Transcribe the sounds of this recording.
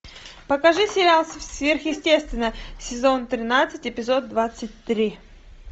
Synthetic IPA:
pəkɐʐɨsʲɪɾʲalˠsəfsvʲerxjɪsʲtʲe̞st̪vʲɪnːəsʲɪzo̞nt̪ɾʲɪnat̪sɨtʲɪpʲɪzo̞d̪̚ːvat̪sɨt̚ʲt̪ɾʲi

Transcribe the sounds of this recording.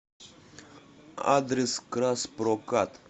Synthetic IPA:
a̰d̪ɾeskɾaspɾokat̪

